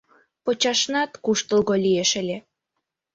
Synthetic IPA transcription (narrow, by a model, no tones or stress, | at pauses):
pot͡ɕɑʃnɑt̪kuʃt̪ə̆lɣolʲieʃə̆lʲe